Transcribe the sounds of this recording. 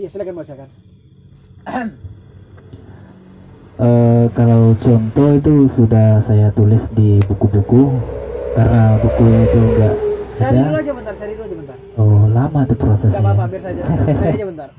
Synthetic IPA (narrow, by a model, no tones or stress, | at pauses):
ʔəkalawt͡ʃɔnt̪ɔit̪usudahsajat̪ulɪsdibukubukukarnabukuit̪uŋɡaʔada | ɔlamat̪upɾasasɲa